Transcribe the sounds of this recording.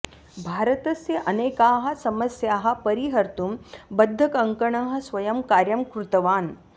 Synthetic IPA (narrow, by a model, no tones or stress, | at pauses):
bʱaːɾət̪ɐseʔɐneːkaːɦɐ̆sɐmɐsjaːɦɐ̆pɐɾiɦɐɾt̪umbɐd̪ʱːɐkɐŋkɐɳɐɦɐ̆sʋɐjɐmkaːɾjɐmkɾut̪ɐʋaːn